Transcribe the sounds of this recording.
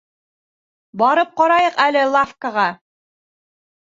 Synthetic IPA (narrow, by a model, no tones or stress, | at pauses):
bɑɾɤp̚qɑɾɑjɤqælɘlˠafkəʁɑ